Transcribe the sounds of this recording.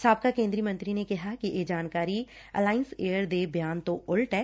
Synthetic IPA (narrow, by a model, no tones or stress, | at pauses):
saːb̚kakẽːnd̪ɾiːmɐ̃nt̪ɾinekɐɦakiʔed͡ʒaːnkaːɾi | ɐ̰laːɪnseːəɾd̪eːbjaːnt̪oʊlʈɦɛː